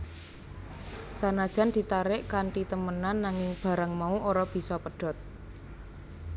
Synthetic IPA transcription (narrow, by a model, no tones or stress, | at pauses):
sanad̥ʒ̥a̤nd̪̥i̤t̪aɾɪʔkaɳʈit̪əmənanːaŋɪŋb̥ä̤ɾaŋmauʔoɾab̥i̤sɔpəɖ̥ɔ̤t̪̚